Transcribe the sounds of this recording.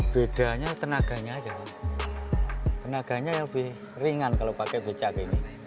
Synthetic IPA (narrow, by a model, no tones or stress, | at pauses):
b̥eɖ̥a̤ɲat̪ənaɡ̥a̤ɲaːd͡ʒa | t̪ənaɡ̥a̤ɲajaŋbɪh | riŋankalopakɛb̥e̤t͡ʃakini